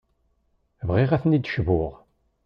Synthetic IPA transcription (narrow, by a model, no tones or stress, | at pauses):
vʁiʁæθnid̪ʃvʊʁ